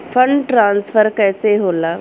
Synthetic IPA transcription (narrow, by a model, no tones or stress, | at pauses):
fʰə̃ɳɖʈɾãːnsfʰəɾkɛːseɦoːlaː